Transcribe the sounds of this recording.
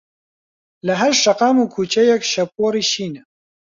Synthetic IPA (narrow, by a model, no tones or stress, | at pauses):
lɐɦɐɾʃɐqaːmukʰuːt͡ʃɛjɛkʃɐp̚oːɾiːʃiːnɛ